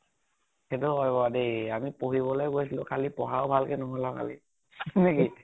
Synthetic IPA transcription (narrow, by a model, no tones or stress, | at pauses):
xedʊɔjbɔdejamipoɦibɔlɔjkojsilʊ̃kʰalipɔɦaʊbʱalkɛnɔɦɔlãkʰa̰lḭ | sneki